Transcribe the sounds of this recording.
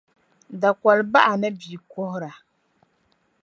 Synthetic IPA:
da˨kɔ˨lba˦ʔa˨nɨ˦bi˨ko˦hʊ˦ɾa˨

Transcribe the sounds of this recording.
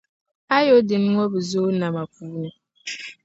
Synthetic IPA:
a˦jo˦dɪ˨n˦ŋɔ˦bɨ˨zoː˦na˨ma˨kuː˦nɨ˨

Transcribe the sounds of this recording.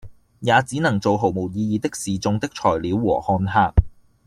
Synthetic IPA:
jaː˨˧t͡siː˨˥nɐ˨˩ŋt͡so˨wɦo˨˩wmo˨˩wjiː˧jiː˨˧t̪ɪ˥k̚siː˨t͡sʊ˧ŋt̪ɪ˥k̚t͡ʃʰɔː˨˩jliː˨˥wːɔ̰ː˨˩hɔː˧nɦaː˧k̚

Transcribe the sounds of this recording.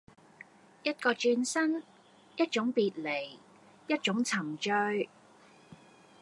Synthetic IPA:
jɐ˥t̚kɔː˧t͡ʃyː˧nsɐ˥n | jɐ˥t̚t͡ʃʊ˨˥ŋpiː˨t̚le˨˩j | jɐ˥t̚t͡ʃʊ˨˥ŋt͡sʰɐ˨˩ŋt͡ʃœ˧ɥ

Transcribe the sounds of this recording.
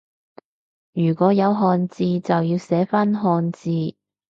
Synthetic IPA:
jyː˨˩kɔː˨˥jɐ˨˧wɦɔː˧nt͡siː˧t͡sɐ˨wjiː˧wsɛː˨˥fɐ˥nɦɔː˧nt͡siː˧

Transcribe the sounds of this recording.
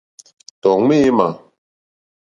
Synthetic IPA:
tɔ˨ŋme˦ma˨

